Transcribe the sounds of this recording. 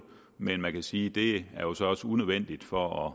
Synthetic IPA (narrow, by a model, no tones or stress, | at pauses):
menmænkʰæsiːd̥e̝æɐjo̝sɒ̽ɒ̽səunøðˠʋen̰d̥id̥fɒ̽ɒ